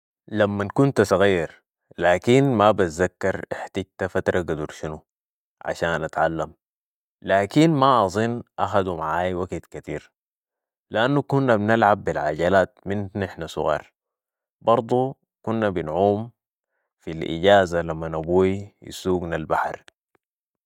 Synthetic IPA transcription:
lamːankunt̪sˤɑɣiːɾ | laːkinmabat̪zakːɑɾˤiħt̪iɟt̪afat̪ɾˤʔɑɡad̪uɾʃinu | ʕa̰ʃaːnʔat̪ʕalːam | laːkinmaʔɑzˤɨnːʔaxad̪umaʕaːjwaɡt̪kat̪iːɾ | liʔanːukunːabnalʕabːilʕa̰ɟalaːt̪minnɪħnasˤʊ̰ɣɑ̰ːɾˤ | bɑɾˤd̪ˤu | kunːabinʕuːm | filʔḭɟaːzalamːanabuːiḭsuːɡnalbaħɾ

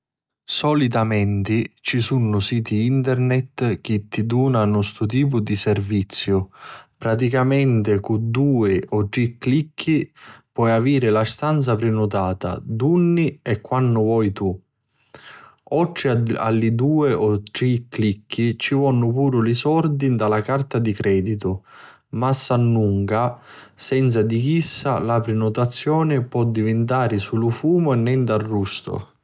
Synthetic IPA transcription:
sɔlit̪amɛnt̪it͡ʃisunːʊsiːt̪iint̪ɛɾnɛt̪k̟it̪ːid̪uːnanɔst̪ʊt̪̬iːp̬ʊd̪isɛrvit̪sːjʊpɾat̪̬ikamɛnt̪ɪkud̪uːɪʔɔʈɾikːlikʰːipwɔjaviːɾɪlast̪ant̪sapɾɪnut̪aːt̪a̰d̪unːiɛkːwanːʊvɔjt̪u | ɔt̪ːɾɪa̰lːid̪uːɪɔt̪ɾikːlikʰːit͡ʃivɔnːʊpuːɾʊlisɔɾd̪ind̪alakart̪ad̪ikɾʔɛːd̪it̪ʊ | masːanːuŋkasɛnt̪sad̪ik̟isːalapɾɪnʊt̪at̪sːjɔːnɪpwɔd̪ːivɪnt̪aːɾɪsulʊfuːmʊɛnːɛnd̪arːust̪ʊ̰

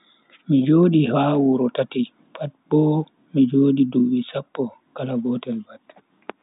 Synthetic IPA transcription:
mid͡ʒoːɗihaːwuɾɔtati | fat̚bɔ | mid͡ʒoːɗiduwisapːɔ | kalaɡɔtɛlbat

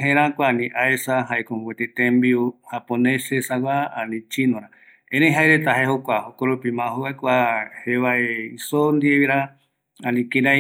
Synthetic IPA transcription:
ɦẽɾãkʷanĩʔaesaɦaekõmɡʷet̪et̪ẽmbiuhapõnẽsesawʷaãnĩt͡ʃinõɾã | ẽnẽjɦaeɾet̪aɦehokʷahokoɾopimãɦoβaekʷaheβaeisond̪ieβiɾa | anĩkeɾa

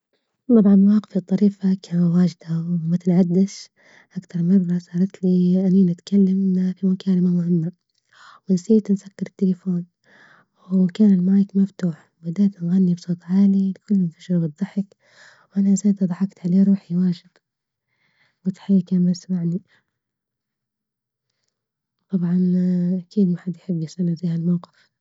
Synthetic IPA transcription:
t̪ˤɑbʕɑnwɑːqɪ̥fit̪ˤːɑɾiːfakʰaːwaːʒɪd̪awmat̪ɪnʕad̪ːɪʃ | ʔakt̪ɑɾˤmɑrˤːɑsˤɑːɾˤɑt̪liʔaniːnat̪kalːamfimakaːlamamʊhɪmːa | wɪnsiːt̪nsakːɪɾˤɪt̪ːɪlfoːn | wkaːnɪlmaːjɪkmaft̪uːħ | bɪd̪aːt̪nɣanːibsˤoːt̪ˤʕaːlilɪkʊlːmɪnt̪ḁʃɾbɨt̪ˤːɑħɪk | wʔanazaːt̪d̪ˤɑħɑkt̪ʕaleːɾˤuːħiwaːʒɪd̪ | wɪt̪ħaːakanasmaʕni | t̪ˤɑbʕɑnʔakʰiːd̪maħad̪jħɪbːjɪsalazaːhalmawqɪ̥f

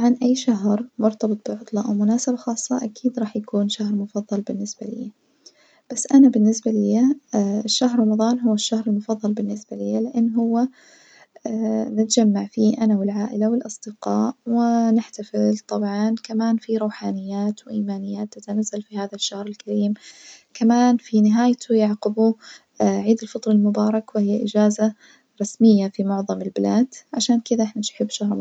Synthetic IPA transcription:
t̪ʕɑnʔajːʃaɦɾmʊɾt̪ɑbɨt̪ˤb̥ɪʕʊt̪ˤlɑʔa̰wmʊnaːsɪbaxɑːsˤːɑʔakiːd̪ɾˤɑːħjakuːnʃahɾmʊfɑðˤːɑlbɪnːɪsbalɪ̰jːa | b̥asːʔanabɪnːɪsbalɪjaɪʃːahɾˤɾˤɑmɑðˤɑːnɦʊwːaʃːahɾɪlmʊfɑðˤːɑlbɪnːɪsbalɪjːalɪʔanːɦʊwːa | nɪt̪ad͡ʒamːaʕfiːʔanawɪlʕaːʔɪlawɪlʔɑsˤd̪̥ɪqɑːʔwɪnɪħt̪afɪlt̪ˤɑbʕɑnkamaːnfiɾˤuːħaːnɪjːaːt̪wʔiːmaːnɪjːaːt̪ːat̪anazːalfihaːðaʃːahɾɪlkaɾiːmkamaːnfinɪɦaːjt̪ʰʊjɑʕqɪbu | ʕiːd̪ɪlfɑt̪ˤɾˤɑlmʊbɑːɾˤɑkwɪhɪjːaʔɪd͡ʒaːza | ɾˤɑsmɪjːafimʊʕðˤɑmɪlbɪlaːd̪̥ʕaʃaːnkɪd̪aʔɪħnaʃħɪbːʃaɦɾ

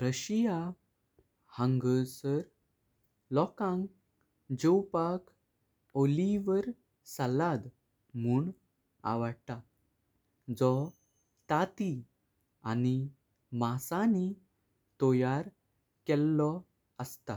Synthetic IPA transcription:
ɾəɕija | hə̃ŋɡəsəɾ | lɔkãŋɡ | d͡ʑəwpak | oliʋəɾ | salad̪ | m̤uːɳ | a̰ʋəɽt̪a | d͡zɔ | t̪at̪i | ani | masani | t̪ɔjaɾ | kɛlːɔ | əst̪a

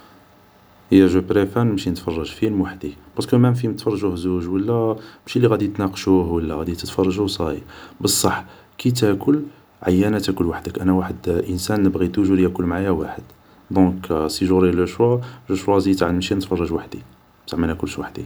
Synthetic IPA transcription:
əjæʒubɾefænmʃinət̪fɑrˤːɑʒfilmwaħd̪ib̥ɑskəmænfimət̪fɑrˤːʒuhzuʒwəlːæmʃilːiɣæd̪it̪nɑqʃuhwəlːæɣæd̪it̪ət̪fɑrˤːɑʒusˤɑjibəsˤːɑħ | kit̪ækʊl | ʕa̰jːænæt̪ækʊlwaħd̪əkʔænæwaħəd̪ʔənsænːəbɣit̪uʒuɾjækʊlːmʕajæwaħəd̪̥ | d̪ɔ̃ksiʒuɾilʔəʃwɑləʃwɑzit̪ʕnmʃinət̪fɑrˤːɑʒwaħd̪i | t̪aʕməlhækʊlːʃwaħd̪ḭ

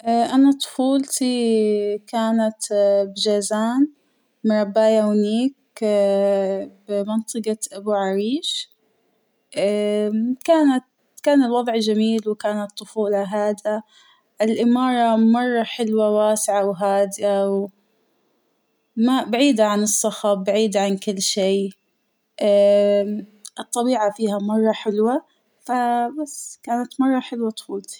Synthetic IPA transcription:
ʔaʔanat̪ˤʊ̥fuːlt̪i | kaːnat̪bɪd͡ʒazaːn | mɾˤɑbːaːjawniːk | bɪmɪnt̪ˤɨɡɑʔabuʕaɾiːʃ | ʔakaːnat̪ | kaːnɪlwɑðˤʕd͡ʒamiːlwkaːnat̪ˤːʊfuːlɑɦaːd̪a | ʔɪlʔɪmɑːɾˤɑmɑrˤːɑħɪlwawaːsɪʕawɦaːd̪ɪʔaw | mabaʕiːd̪aʕanɨsˤːɑxɑbaʕiːd̪aʕankɪlːʃiː | ʔa | ʔɨt̪ˤːɑbiːʕafiːhamɑrˤːɑħɪlwa | fabasːkaːnat̪mɑrˤːɑħɪlwat̪xuːt̪

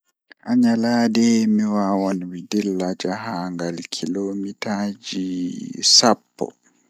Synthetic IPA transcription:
ʔaɲalaːdɛmiwawɔnwidilːad͡ʒaɦaŋɡalkʰilomitaːd͡ʒisapːɔ̰

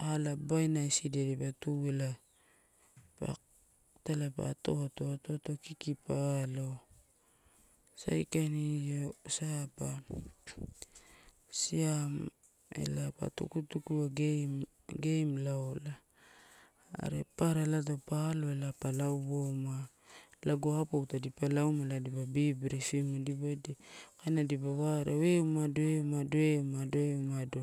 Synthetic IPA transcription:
alabajnajsidedipatuela | pa̰ | talapa̰to̞to̞ato̞to̞kikipalo̞ | sa̰jkanijosapa | siam | e̞̰lapa̰tṵkutukuaɡ | ɡejmlaola | ɾepaɾalat̬opaloelapalawboma | laɡohapoutadipalawmaladibabibiɾifimodibojdikajnadibawaɾeweumadoeumadoeumadoeumado

